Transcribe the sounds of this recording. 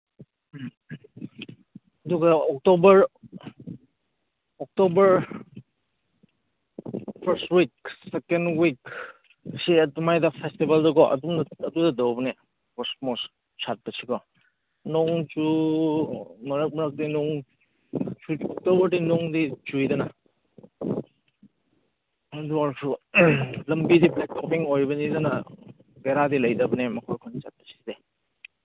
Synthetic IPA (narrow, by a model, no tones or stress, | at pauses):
duɡaɔk̚tɔbɐɾ | ɔk̚tɔbɐɾ | pʰəɾstwiksekendwik | siɛumajdapʰestibaldɔɡɔʔɐ̰dumɐdudadawbne | kɔsmɔs | t͡ʃʰat̚basʰiɡɔ | nɔŋt͡ʃu | mɐɾɐk̚mɐɾɐk̚dinɔŋ | t͡ʃutowbɐdinɔŋdit͡ʃujdɐnɐ | ɐduaɾsʰu | lɐmbidiblet̚pʰɔpiŋojbɐnidɐnɐ | beɾadilɐjdɐbɐnemɐkʰɔɾkʰɔnt͡ʃat̚pɐ̥si̥ze